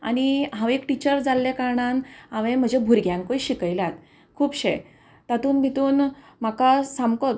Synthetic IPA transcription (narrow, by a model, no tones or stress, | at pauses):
a̰ñiɦãʋekʈit͡ɕəɾd͡zalːekaɾɳanãʋẽm̤əd͡ʑebʱuɾɡʱjãŋkoiɕikəjlat̪ | kʰuːpɕḛ | t̪at̪uːnbʱit̪uːn | m̤akasamkɔt̪̚